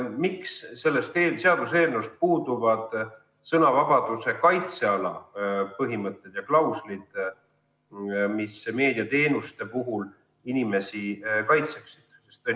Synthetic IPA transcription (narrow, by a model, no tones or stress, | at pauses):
miksːe̞lːest̪eːseɑd̪̥use̞ːrnuust̪̚puːd̪̥uvɑd̪̥ | sɤnɑvɑb̥ɑd̪̥use̞kɑjt̪se̞ɑlɑ̰pɤɦimɤt̪ˑːe̞d̪̥jɑklɑwslid̪̥ | misme̞ːd̪̥iɑt̪e̞ːnust̪e̞puɦul | inime̞sikɑjt̪se̞ksid̪̥sest̪o